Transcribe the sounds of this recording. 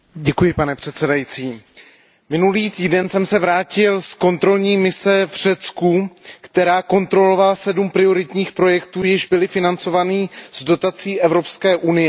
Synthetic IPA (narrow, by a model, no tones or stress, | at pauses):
ɟɛkujɪpanɛpr̝̥ɛt̪sɛdajit͡siː | mɪnuliːt̪iːdɛnsɛmsɛvɾaːcɪlsko̞nt̪ɾo̞lɲiːmɪsɛvr̝̥ɛt͡skukt̪ɛɾaːko̞nt̪ɾo̞lo̞valasɛdumpɾɪo̞ɾɪt̪ɲiːxpɾo̞jɛkt̪uːjɪʒbɪlɪfɪnant͡so̞vanizdo̞t̪at͡siːʔɛvɾo̞pskɛːʔunɪjɛ